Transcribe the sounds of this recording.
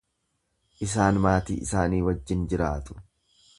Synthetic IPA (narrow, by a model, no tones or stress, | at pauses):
ʔɪs̬aːnmaːt̪ḭːʔɪsaːniːwɐd͡ʒːɪnd͡ʒɪɾaːt̪ʊ̥